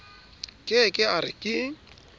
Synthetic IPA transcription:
kʼɪkʼɪaɾɪ̰kʼɪɪ

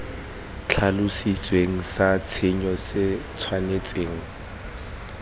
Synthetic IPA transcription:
t͡ɬʰalʊsit͡sʼweŋ̩sat͡sʰeɲɔsɪt͡sʰwanet͡sʼeːŋ̩

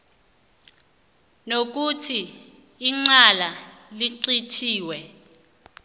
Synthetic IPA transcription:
nok̬utʰiː | ŋ͡ǀalaliǀitʰiːwɛ

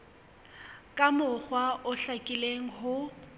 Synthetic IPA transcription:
kʼamʊχwaʔʊɬakʼɪleŋ̩ɦʊ

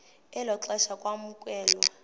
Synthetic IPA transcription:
ɛlɔǁɛʃakʼwamukʼwɛːlɔ

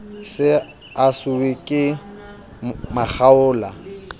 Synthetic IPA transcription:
sɪ | asʊwɪkʼɪ | maχʰaʊːla

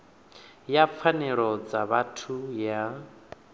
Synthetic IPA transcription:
jap̪fʰanɛɺɔd͡zaβatʰuja

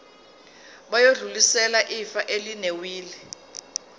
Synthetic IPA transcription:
ɓajoɮulisɛlaʔifaʔelinewiːli

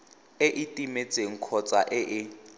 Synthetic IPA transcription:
eʔitʼimet͡sʼeŋ̩kʰɔt͡sʼaʔɪʔɪ

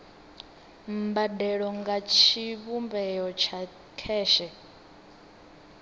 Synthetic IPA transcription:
mbadɛɺɔŋɡat͡ʃʰiβumbɛjɔt͡ʃʰa | kʰɛːʃɛ

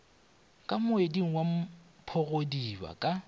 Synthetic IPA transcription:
kʼamʊediŋ̩wamʊpʰɔɣodiba̰kʼa

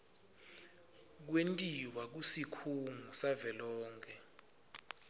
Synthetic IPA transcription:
k̬wentʼiwak̬usikʰuŋusavɛlɔːŋkʰɛ

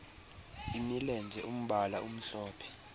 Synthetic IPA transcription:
imilɛnd͡zʱɛʔum̩ɓalaʔum̩ɬɔːpʰɛ̥

